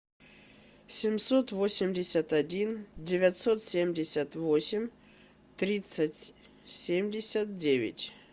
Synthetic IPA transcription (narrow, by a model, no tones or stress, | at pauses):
sʲɪmsot̪vosʲɪmʲdʲɪsʲət̪ɐdʲindʲɪvʲat̪sot̪sʲemʲdʲɪsʲət̪vosʲɪmʲ | t̪ɾʲit̪sətʲ | sʲemʲdʲɪsʲət̪̚dʲevʲɪ̰tʲ